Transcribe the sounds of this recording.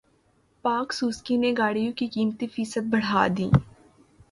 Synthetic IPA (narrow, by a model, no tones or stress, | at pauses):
paːksuːskineɡaːɽijõkikiːmt̪ifiːsət̪̚bɐɽ̤a̰ːd̪ḭː